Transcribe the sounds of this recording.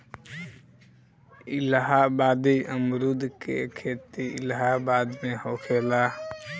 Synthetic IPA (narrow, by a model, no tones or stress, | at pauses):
ilɦabad̪iʔəmɾud̪ʱkḛkʰet̪iḭlɦabad̪mehokʰela